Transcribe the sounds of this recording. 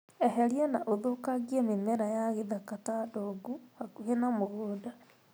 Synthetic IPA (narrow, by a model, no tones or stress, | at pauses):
eɦelienaʔoðokaɡiemimeɾajaɣeðakatadoɡuhakuhenamoɣuːda